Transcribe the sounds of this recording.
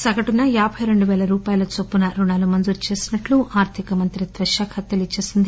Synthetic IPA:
sɐɡɐʈunːɐjaːbʱɐjɾe̞ɳɖuʋɛːlɐɾuːpaːjɐlɐt͡ʃopːunɐɾunaːlumɐnd͡ʒuɾt͡ʃe̞ːsinɐʈluaːɾt̪ʰikɐmɐnt̪ɾid̪ʋɐʃaːkʰɐt̪jɐlit͡ʃːeːsind̪i

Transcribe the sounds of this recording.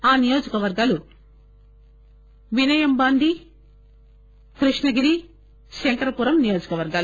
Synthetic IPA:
aːnijoːd͡ʒɐkɐʋɐɾɡaːlu | ʋinɐjɐmbaːnd̪i | kɾiʂɳɐɡiɾi | ʃeɳʈɐɾɐpuːɾɐmnijo̞ːd͡ʒɐkɐʋɐɾɡaːl

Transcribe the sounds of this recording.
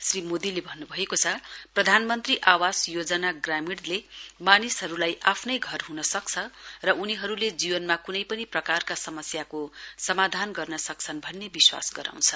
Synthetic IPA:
srimod̪ilebʱʌnːubʱʌekot͡sʰʌprʌd̪ʱanmʌnt̪riʔawasjod͡zʌnaɡramiɽlemanisɦʌɾulajʔapʰnʌjɡʱʌrɦunʌsʌk̚t͡sʰʌrʌʔuniɦʌɾuled͡zibʌnmakunʌjpʌniprʌkarkasʌmʌsjakosʌmad̪ʱanɡʌrnʌsʌk̚t͡sʰʌnbʱʌnːebiswa̰sɡʌɾã̰w̃t͡sʰʌ

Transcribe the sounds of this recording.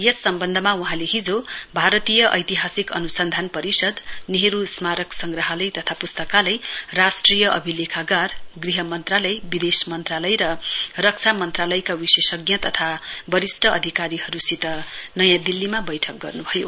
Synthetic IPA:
jʌsːʌmbʌnd̪ʱʌmauɦãleɦid͡zobʱaɾʌt̪ijʌʔʌ̰jt̪iɦasikʌ̰nusʌnd̪ʱanpʌɾisʌd̪niɦeɾusmaɾʌksʌŋɡrʌɦʌlʌjt̪ʌt̪ʰapust̪ʌkalʌjrasʈrijʌʔʌbʱilekʰaɡarɡriɦʌmʌnt̪ralʌjbid̪esmʌnt̪ralʌjɾʌrʌk̚t͡sʰamʌnt̪ralʌjkawisesʌɡjʌt̪ʌt̪ʰabʌɾisʈʌʌd̪ʱikaɾiɦʌɾusit̪ʌnʌjãd̪ilːimabʌjʈʰʌk̚ɡʌ̰rnubʱʌjo

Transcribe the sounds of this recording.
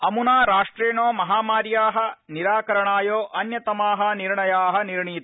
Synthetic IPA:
ɐmunaːɾaːʂʈɾeːɳoːmɐɦaːmaːɾjaːɦɐ̆niɾaːkɐɾɐɳaːjoːʔɐnjɐt̪ɐmaːɦɐ̆niɾɳɐjaːɦɐ̆niɾɳiːt̪

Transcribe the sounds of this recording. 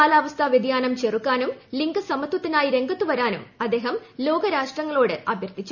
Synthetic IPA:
aːlaːʋɐst̪ʰaʋjed̪jaːnɐmt͡ɕerukːaːnumliŋɡɨsɐmɐt̪wɐt̪ːinaːjiɾe̞ŋɡɐt̪ːuʋɐɾaːnumɐd̪ːe̞ːɦɐmlo̞ːɡɐɾaːʂʈrɐŋːɐɭo̞ːɽɨʔɐbʱjɐrt̪it͡ɕːu

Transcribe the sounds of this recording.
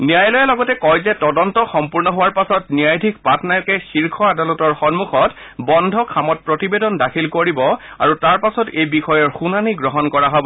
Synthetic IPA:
nijajlɔjalɔɡɔtɛkɔjzɛtɔdɔntɔxɔmpuɹnɔɦowaɹpasɔtnijajdʱik̚patnajɔkɛxiɹkʰɔadalɔtɔɹxɔnmuxɔt | bɔndʱɔkʰamɔt̚pɹɔtibedɔndakʰilkoɹibɔa̰ɹutaɹpasɔtejbixɔjɔɹxunaniɡɹɔɦɔnkɔɹaɦɔbɔ

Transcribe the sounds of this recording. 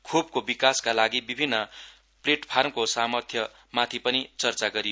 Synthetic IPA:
kʰob̚kobikaskalaɡibibʱinːʌ | pleʈpʰarmkosamʌrt̪ʰjʌ | mat̪ʰipʌnit͡sʌrt͡saɡʌɾijo

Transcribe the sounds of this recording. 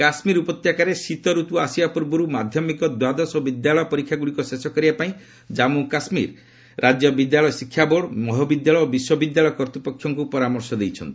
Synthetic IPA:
kasmiɾupɔt̪jakaɾesit̪ɔɾut̪uasijapuɾbɔɾumad̪ʱjɔmikɔd̪wad̪ɔsobid̪jalɔjɔpɔɾikʰːjaɡuɽikɔsesɔkɔɾibapaĩ | d͡ʒamukasmḭɾ | ɾʔad͡ʒjɔbid̪jaɭɔjɔsikʰːjaboɽmɔɦɔbid̪jaɭɔjobiswɔbid̪jaɭɔjɔkɔɾt̪ipɔkʰːjɔŋkupɔɾamɔɾsɔd̪ejt͡ʃʰɔnt̪ii

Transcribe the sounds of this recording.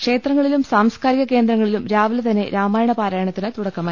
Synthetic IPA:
kʂe̞ːt̪ɾrɐŋːɐɭilumsaːmskaːɾiɣɐke̞ːnd̪ɾɐŋːɐɭilumɾaːʋɐlt̪ɐnːe̞̰ɾaːmaːjɐɳɐpaːɾaːjɐɳɐt̪ːinɨt̪uɽɐkːɐmaː

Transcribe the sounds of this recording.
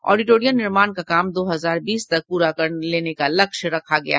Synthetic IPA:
ɔ̰ːɖiʈoːɾijənnɪɾmaːnkakaːmd̪oːɦɐzaːɾbiːst̪ɐk̚puːɾakɐɾleːnekalɐkʃɾɐkʰaɡɐja̰ɦː

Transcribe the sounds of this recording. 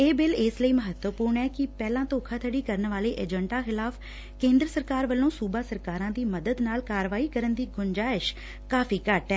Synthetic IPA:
eːbɪlɪːsləiːməɦət̪wəpuːɾɳɛːkɪpɛːlãːt̪oːkʰaːt̪ʰəɖiːkəɾənʋaːleːʔeːd͡ʒəɳʈaːxɪlaːf | kẽːnd̪ɾəsəɾkaːɾʋəlːõːsuːbaːsəɾkaːɾãːd̪iːməd̪əd̪naːlkaːɾʋaːiːkəɾənd̪iːɡʊnd͡ʒaːɪʃ | kaːfʰiːkəʈɛː

